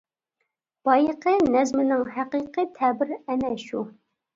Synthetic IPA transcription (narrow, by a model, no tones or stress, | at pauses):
b̥ɑjəqʰənɛzmɪnɪŋɦæqiqɨt̪ʰɛbɪɾɛnɛʃu